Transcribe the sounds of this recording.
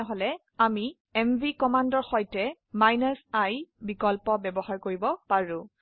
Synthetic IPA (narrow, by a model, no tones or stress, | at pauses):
ɛɦɔlɛ | ami | ɛmvikɔmandɔɹxɔjtɛ | majnasajbikɔlpɔbɛbɔɦaɹkoɹibɔpaɹʊ̃